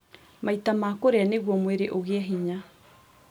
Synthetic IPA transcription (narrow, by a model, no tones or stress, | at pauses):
maitamaːkoɾeaneɣwɔmweɾeʔoɣeaɦiɲa